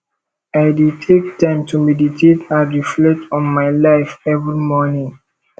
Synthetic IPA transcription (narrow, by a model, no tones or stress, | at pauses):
aɪdutʰek̚tãɪ̃mtʰumɛditʰetãnɹiflɛtɔ̃nmaɪlaɪfɛvɹimɔnĩŋ